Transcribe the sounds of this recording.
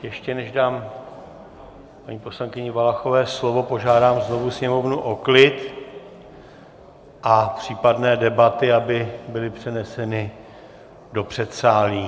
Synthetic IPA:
jɛʃcɛnɛʒdaːm | paɲiːpo̞slaŋkɪɲɪvalaxo̞vɛːslo̞vo̞po̞ʒaːdaːmzno̞vusɲɛmo̞vnuʔoklɪt̪ | ʔapr̝̥iːpadnɛːdɛbat̪ɪabɪbɪlɪpr̝̥ɛnɛsɛnɪ | do̞pr̥ɛt̪saːliː

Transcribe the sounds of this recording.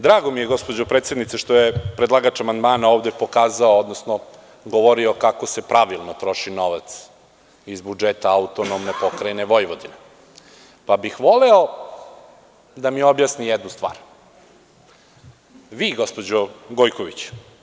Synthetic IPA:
d̪ɾaːɡo̞mije̞ɡo̞spod͡ʑopɾet̪sjed̪nit̪seʃt̪o̞jepɾed̪lˠaɡat͡ʃamand̪maːnaoːʋd̪epo̞kaːzaood̪nosno | ɡoʋoɾio̞kako̞se̞pɾaʋilˠnot̪ɾo̞ʃino̞ʋat̪s | izbud͡ʒet̪aaut̪onomnepo̞kɾajneʋo̞jʋod̪ine | pabixʋo̞leo | d̪amiobjasnijɛd̪nust̪ʋa̰ːɾ | ʋiːɡo̞spo̞d͡ʑoɡojkoʋit͡ɕ

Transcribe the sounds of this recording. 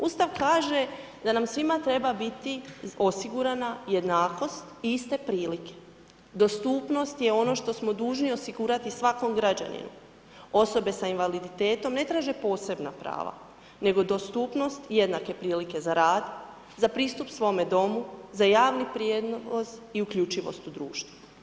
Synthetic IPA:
uːst̪aʋkaːʒe̞ | d̪anamsʋimat̪ɾe̞babit̪io̞siɡuɾanaje̞d̪naːko̞st̪iist̪e̞pɾiːlike̞̥ | d̪o̞st̪uːpno̞st̪je̞o̞no̞ʃt̪o̞smo̞d̪uːʒnio̞siɡuːɾat̪isʋako̞mɡɾad͡ʑa̰nḭnṵ | o̞so̞be̞sainʋalid̪it̪e̞ːt̪o̞mne̞t̪ɾaːʒe̞po̞ːse̞bnapɾa̰ːʋa̰ | ne̞ɡo̞d̪ost̪uːpno̞st̪je̞d̪nake̞pɾiːlike̞zaɾaːd̪ | zapɾiːst̪upsʋo̞me̞d̪o̞muzajaːʋnipɾjed̪noosiukʎut͡ʃiʋo̰st̪ud̪ɾuːʃt̪ʋu̥

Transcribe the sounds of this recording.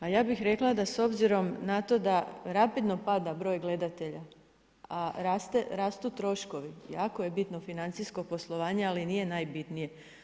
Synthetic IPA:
ajaːbixɾe̞klˠad̪aso̞bziɾo̞mnat̪o̞d̪aɾapid̪no̞pad̪abɾo̞ːjɡle̞d̪at̪e̞ʎa | aɾast̪eɾaːst̪ut̪ɾo̞ʃko̞ʋijaːko̞je̞bit̪no̞finant̪sisko̞po̞slˠoʋaːɲealinije̞naːjbit̪nije̞

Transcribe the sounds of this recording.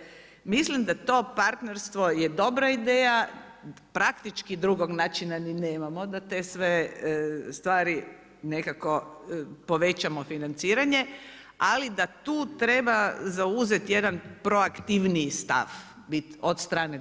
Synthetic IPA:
mislimd̪at̪o̞ːpaɾt̪neɾst̪ʋojed̪o̞bɾaid̪eːja | pɾakt̪it͡ʃkid̪ɾuɡoɡnaːt͡ʃinanineːmamod̪at̪eːsʋe | st̪ʋaːɾi | ne̞kako̞po̞ʋet͡ɕamofinant̪siːɾaɲe̞ | alid̪at̪uːt̪ɾe̞bazauze̞t̪je̞d̪anpɾo̞akt̪iʋnist̪a̰f | bit̪od̪st̪ɾaːne

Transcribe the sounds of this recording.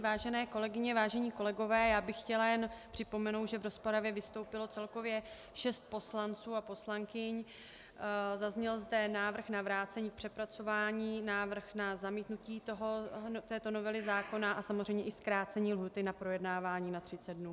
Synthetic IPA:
vaːʒɛnɛːko̞lɛɡɪɲɛvaːʒɛɲiːko̞lɛɡo̞vɛːjaːbɪxxcɛlajɛnpr̥ɪpo̞mɛnowt̪ʒɛvɾo̞spoɾavjɛvɪst̪o̞wpɪlo̞t͡sɛlko̞vjɛ | ʃɛst̪̚po̞slant͡suːapo̞slaŋkɪɲ | zazɲɛlzdɛnaːvr̩xnavɾaːt͡sɛɲiːk̚pr̝̥ɛpɾat͡so̞vaːɲiːnaːvr̩xnazamiːt̪nuciːt̪oɦot̪ɛːt̪o̞no̞vɛlɪzaːko̞naʔasamozr̝ɛjmɲɛʔɪskɾaːt͡sɛɲiːlɦuːt̪ɪnapɾo̞jɛdnaːvaːɲiːnat̪r̝̥ɪt͡sɛd̪dnuː

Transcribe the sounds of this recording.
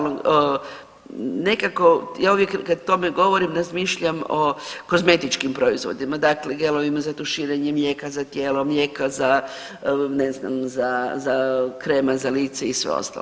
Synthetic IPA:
o | ne̞kako̞jaːuʋjekkad̪̚t̪o̞meɡo̞ʋo̞ɾimɾazmiːʃʎamoko̞zme̞t̪it͡ʃkimpɾo̞izʋo̞̰d̪imad̪akleɡe̞lˠoʋimazat̪oʃiːɾeɲemje̞kazat̪jeːlomje̞kaza | nezna̰mzazakɾemazaliːt̪seisʋḛo̰st̪a̰l

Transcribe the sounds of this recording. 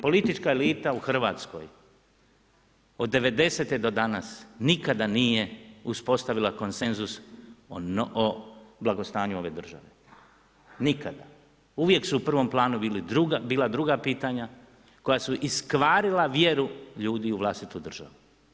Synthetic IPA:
po̞lit̪it͡ʃkaeliːt̪auxr̩ʋa̰ːt̪sko̞̰j | o̞d̪ːe̞ʋe̞d̪e̞set̪ed̪o̞d̪anasnikad̪aniːje̞uspo̞st̪aʋilˠako̞nse̞nzus | oblaɡo̞st̪aːɲuo̞ʋe̞d̪r̩ʒa̰ʋe̞ | nikad̪a | uʋje̞ksuːpr̩ʋo̞mplˠaːnubiːlid̪ɾuɡabiːlˠad̪ɾuɡapiːt̪aɲa | ko̞jasuʔiskʋaːɾilaʋje̞ɾuʎuːd̪iuʋlˠast̪it̪ud̪r̩ʒa̰ʋu

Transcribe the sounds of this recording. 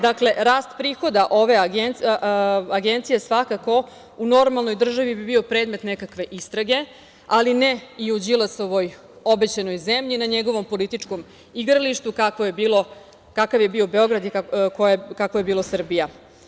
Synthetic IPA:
d̪akle̞ɾaːst̪pɾiːxo̞d̪aʔoʋe̞ɡen | aɡent̪sijesʋakako̞ | uno̞ɾmalˠno̞jd̪r̩ʒaʋibibio̞pɾeːd̪me̞t̪nekakʋe̞ʔist̪ɾaɡe̞ | alineiud͡ʑilˠasoʋo̞j | o̞bet͡ɕano̞jzemʎinaɲeɡo̞ʋo̞mpo̞lit̪it͡ʂko̞m | iɡɾaliʃt̪ukakʋo̞je̞biːlo̞ | kakaʋje̞bio̞be̞o̞ɡɾad̪ikojekakʋojebiːlosr̩bija

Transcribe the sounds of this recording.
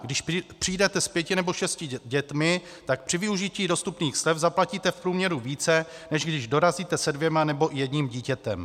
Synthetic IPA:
ɡdɪʃpr̥ijdɛt̪ɛspjɛcɪnɛbo̞ʃɛscɪɟɛt̪mɪ | t̪ak̚pr̥ɪvɪuʒɪciːdo̞st̪upniːxslɛfzaplaciːt̪ɛfpɾuːmɲɛɾuviːt͡sɛnɛʒɡdɪʒdo̞ɾaziːt̪ɛsɛdvjɛmanɛbo̞ʔɪjɛdɲiːmɟiːcɛt̪ɛm

